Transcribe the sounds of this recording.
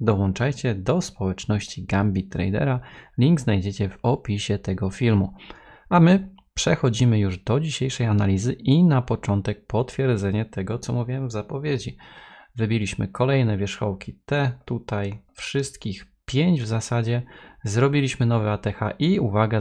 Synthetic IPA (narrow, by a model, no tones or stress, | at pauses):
d̪ɔwɔnt͡ʂajt͡ɕɛd̪ɔspɔwɛt͡ʂnɔɕt͡ɕiɡambʲit̪ɾɛ̰jd̪ɛ̰ɾalʲiŋɡznajd͡ʑet͡ɕɛvɔpʲiɕɛt̪ɛɡɔfʲilmu | amɘ | pʂɛxɔd͡ʑimɘjuʐd̪ɔd͡ʑiɕejʂɛjanalʲizɘʔinapɔt͡ʂɔnt̪ɛk̚pɔt̪fʲjɛɾd̪zɛɲɛt̪ɛɡɔt̪sɔmuvʲiɛmvzapɔvʲjed͡ʑivɘbʲilʲiɕmɘ̰kɔlɛjnɛvʲjɛʂxɔwkʲit̪ɛt̪ut̪ajfʂɘst̪kʲix | pʲjeɲd͡ʑvzasad͡ʑɛzɾɔbʲilʲiɕmɘnɔvɛat̪ɛxaʔiuvaɡa